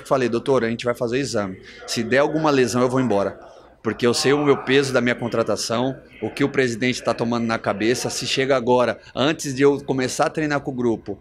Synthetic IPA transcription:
kɪ̥falejd̪owt̪oɾɐʒẽnt͡ʃɪvajfazeɾizɐ̃mɪ | sɪd̪ɛawɡũmɐlezɐ̃w̃ewvowẽbɔɾɐ | poɾkeewsejʊmewpezʊd̪ɐmĩɲɐkõt̪ɾat̪asɐ̃w̃ | ʊkɪʊpɾezid̪ẽnt͡ʃɪ̥t̪at̪omɐ̃nd̪ʊnɐkabesɐsɪʃeɡɐaɡɔɾɐ | ɐ̃nt͡ʃɪzd͡ʒɪewkõmesaɾɐt̪ɾejnaɾkõʊɡɾupʊ

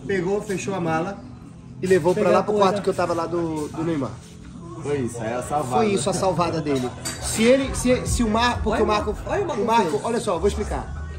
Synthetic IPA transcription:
peɡofeʃowɐmalɐ | ɪlevowpɾɐlapɾʊkwaɾt̪ʊkewt̪avɐlad̪ʊd̪ʊnejma̰ | fojisʊɛasawvfafojisʊɐsawvad̪ɐd̪elɪsɪelɪsɪesɪʊmaɾpʊɾkeʊmaɾkʊɔmaʊmakʊʔɔʎɐsɔvowiʃplika̰ɾ

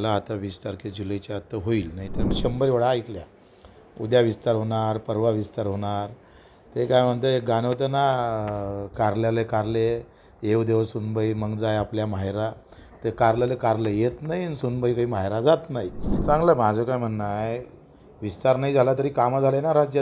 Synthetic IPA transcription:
əlaːt̪aʋist̪aɾked͡ʑuləjt͡ɕaat̪ːəɦoiːlnaɦit̪əɾməɕəmbəɾiʋəɽaːjt̪lja | ud̪jaʋist̪aɾɦoɳ̃aɾpəɾʋaʋist̪aɾɦoɳ̃aɾ | t̪ekajm̤əɳt̪əɡanət̪əna | kaɾljalekaɾle | eʋd̪eʋəsunbəiməɡd͡zajapljamaɦjɾa | t̪ekaɾljalekaɾlejet̪naɦinsunbəikaɦiːmaɦjɾad͡zat̪naɦit͡sãŋɡləmad͡zʱəkajm̤əɳːaj | ʋist̪aɾnaid͡zʱalat̪̬əɾiːkaməd͡zʱalenaɾad͡ʑja

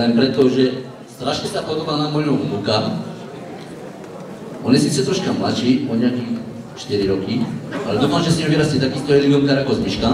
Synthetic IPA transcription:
ɛmpɾɛt̪ɔʒɛ | st̪ɾaʃɲɛst̪apod̪obanamɔjumɡuka | onisit̪sɛt̪ɾɔʃkamlat͡ʃipoɲaki | t͡ʃt̪iɾiɾɔkialɛd̪ufanʒɛsiɲɛviɾast̪it̪akist̪ɔɛliɡɔmkaɾakozmiʃka

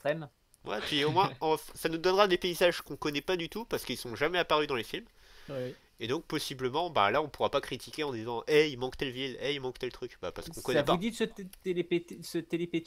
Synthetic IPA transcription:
χɛm | vwɛ̰pɥiomwɛ̃ɑ̃fsanud̪ɔnʁad̪epeizaʒkɔ̃kɔnɛpad̪yt̪upaʁsə̥kilsɔ̃ʒamɛapaʁyd̪ɑ̃lefilm | w | ed̪ɔ̃k̚pɔsibləmɑ̃ba̰laɔ̃puʁapakχit̪ʰikʲeɑ̃d̪izɑ̃ʔɛilmɑ̃kt̪ɛlvilɛilmɑ̃kt̪ɛlt̪χykba̰paʁsə̥kɔ̃kɔnɛvpaud̪isət̪elepesət̪elepe

